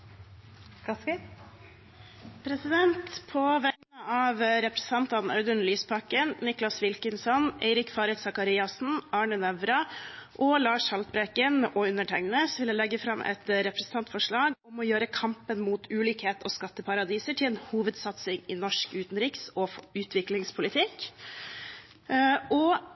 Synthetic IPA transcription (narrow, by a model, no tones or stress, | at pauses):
pʰɾɛsɪd̪ɛnt̪pʰɔʋæŋnəɑːʋɾɛpɾɛsn̩t̪ʰɑnt̪ɑnœ̰ʏd̪ʉɳlyːspʰɑkənnɪklɑsʋɪlkənsɔnʔæ̰ɪɾɪkfɑːɾət̪sɑkɑɾiɑsn̩ɑːɳənɛʋɾɑʔɔlɑːʂhɑlt̪̚bɾeːkənʔɔʉnːəʈʰɛŋnəsʋɪləlɛɡːəfɾɑmʔɛ̰t̪ɾɛpɾɛsn̩t̪ʰɑnt̪fɔʂɭɑːɡɔmɔjøːɾəkʰɑmpənmuːt̪ʰʉːliːkheːt̪ʰɔskɑt̪ːəpʰɑɾɑd̪iːsəʈʰɪlɛnhuːʋəd̪sɑt̪sɪŋɪnɔʂkʉːt̪nɾɪksɔʉːt̪ʰʋɪklɪŋspʰʊlɪt̪ʰɪk | ʔɔ